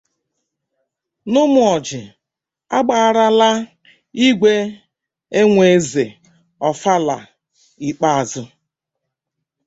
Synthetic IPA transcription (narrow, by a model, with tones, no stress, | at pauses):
nʊ˦mʊ˨ɔ˨d͡ʒɪ˨ | a˦ɡ͡ba˨ɾa˦la˦ | i˦ɡʷe˦ | e˦ŋʷe˨˦ze˨ | ɔ˨fa˦la˨ | i˨k͡pa˦a˨zʊ˨